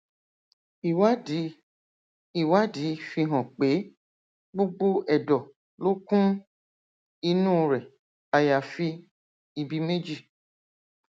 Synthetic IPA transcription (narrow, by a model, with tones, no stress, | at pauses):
i˨wa˦di˨˦ | i˨wa˦di˨˦fi˧ɦɔ̃˨k͡pe˨˦ | ɡ͡bo˦ɡ͡bo˦ʔɛ˨dɔ˨ | lo˦kũ˦ | i˧nũː˦˨ɾɛ˨ | a˨ja˨fi˧ | i˨bi˧me˦d͡ʒi˦˨